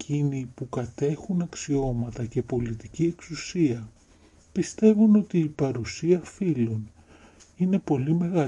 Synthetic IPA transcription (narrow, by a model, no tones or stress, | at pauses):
cinipukɐt̪e̞xunɐksio̞mɐt̪ɐce̞po̞lit̪icie̞ksusiɐ | pist̪e̞vuno̞t̪iːpɐɾusiɐfilon | ine̞po̞lime̞ɣɐ